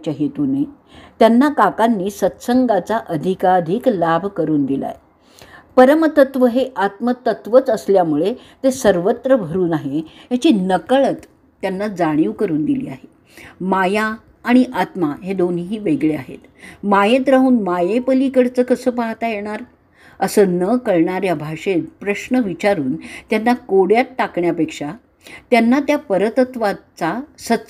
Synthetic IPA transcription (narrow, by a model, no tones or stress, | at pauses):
t͡ɕjaɦet̪une | t̪janːakakanːiːsət̪səŋɡat͡saʔəd̪ʱikad̪ʱiklabʱkəɾuːnd̪ila̰j | pəɾəmt̪ət̪ʋəɦeʔat̪mət̪ət̪ʋət͡səsljamuɭe | t̪esəɾʋət̪ɾəbʱəɾuːnaɦejat͡ɕiːnəkəɭət̪ː | janːad͡zaɽ̃iʋkəɾuːnd̪ilḭːa̰ɦe | majaː | ɽ̃iʔat̪maɦed̪oniɦiːʋeɡɭeaɦḛt̪majẽt̪ɾaɦuːnmajepəlikəɽt͡səːkəsəːpaɦt̪ajeɽ̃aɾ | əsəːnəkəɭɳaɾjabʱaʂet̪pɾəɕnəʋit͡ɕaɾuːnt̪janːakoɽjaʈːakɳjapekʂa | t̪janːat̪japəɾət̪ət̪ʋat͡sasət̪ːs